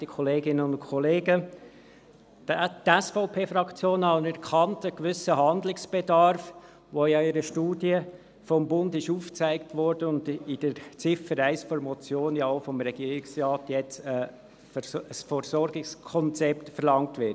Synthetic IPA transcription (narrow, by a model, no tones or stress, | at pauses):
d̥ikʰɔleːɡɪnəʊnkʰɔleːɡə | tɛsfɔʊpʰeːfɾɑkt͡sjoːnɑnɛɾkχɑntəkʋʏsəɦɑnd̪lɪksb̥edɑɾf | ʋojɑɪɾəʃtuːdiə | fɔmbʊndɪʃuːft͡sæɪktʋɔɾd̥əʊndɪd̥əɾt͡sɪfəɾæɪsfɔɾmɔt͡sjoːnjɑoʊfɔmɾɛɡiːɾɪksrɑːtjɛt͡sə | əsfɔɾsɔɾɡɪkskʰɔnt͡sɛptfəɾlɑŋtʋɪt